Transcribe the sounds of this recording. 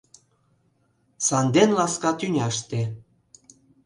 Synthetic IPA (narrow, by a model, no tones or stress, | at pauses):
sɑnd̪enlɑskɑt̪ynʲɑʃt̪e